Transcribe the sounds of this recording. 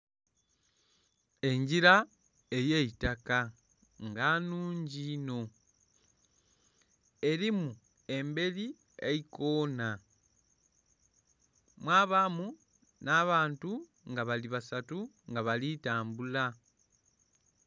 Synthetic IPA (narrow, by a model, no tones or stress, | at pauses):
e̞ɲɟiɾa | e̞jeitaka | ŋɡanuːɲɟino̞ | e̞ɾimu | e̞mbe̞li | eikoːna | mwaːβamu | naβaːntu | ŋɡaβaliβasatu | ŋɡaβalitaːmbula